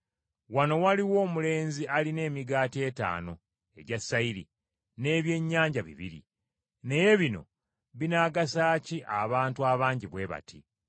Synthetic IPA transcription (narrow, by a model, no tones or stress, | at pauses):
wano̞waliwo̞ːmule̞ːnziʔaline̞ːmiɡaːtie̞ːta̰ːno̞ | e̞̰ɟasːaiɾḭ | ne̞ːβje̞ɲːaːɲɟaβḭβḭɾḭ | ne̞je̞βino̞̰ | βinaːɡasaːciʔaβaːntuaβaːɲɟiβwe̞ːβa̰tʰḭ